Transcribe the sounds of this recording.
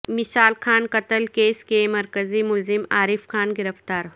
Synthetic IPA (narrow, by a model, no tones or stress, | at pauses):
mɪsaːlkʰaːnkɐt̪əlkeːskemɐɾkəzimʊlzɪmaːɾɪfxaːnɡɪɾəft̪aːɾ